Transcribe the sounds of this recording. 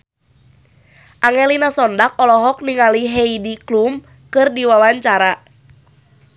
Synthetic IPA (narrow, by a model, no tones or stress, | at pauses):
ʔaŋɛlinasɔndak̚ɔlɔɦɔk̚niŋaliɦɛidiklum | kɨrdiwawaɲt͡ʃaɾa